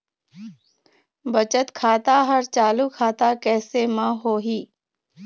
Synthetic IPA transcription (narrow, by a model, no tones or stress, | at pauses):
bət͡ʃət̪kʰaːt̪aɦəɾt͡ʃaːlukʰaːt̪akɛːsemãɦoːɦiː